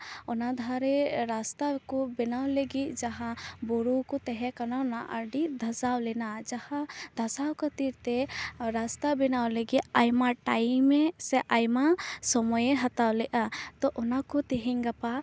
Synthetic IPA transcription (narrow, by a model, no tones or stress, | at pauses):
ɔnad̪ʱaɾɛɾast̪akɔbɛnawleɡit̪̚d͡ʒaɦãbɔɾukɔt̪ɛɦɛ̃kananaʔaɾɖid̪ʱasawlɛnad͡ʒahãd̪ʱasawkɔt̪iɾt̪ɛɾast̪abɛnawleɡit̪ajmaʈajmːɛsɛʔajmasɔmɔjeɦat̪awlɛʔat̪ɔʔɔnakɔt̪ɛɦɛɲɡapa